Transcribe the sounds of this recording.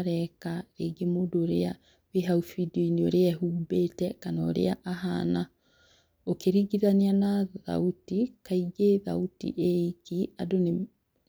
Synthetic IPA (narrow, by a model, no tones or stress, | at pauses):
ɾɛkaɾeɡemoːdoɾea | βeɦaufidiɔiniɔɾeɛɦuːbetɛkanɔːɾḛaʔaɦana | okeɾiɡiðanianaða̰utikaiɡeða̰utḭʔeikia̰done